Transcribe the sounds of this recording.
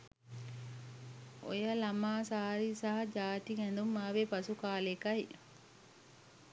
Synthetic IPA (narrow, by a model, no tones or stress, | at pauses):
o̰jalɐmaːsaːɾisɐɦɐd͡ʒaːʈ̪iɡɛnd̪umːaːʋepɐsukaːlekɐi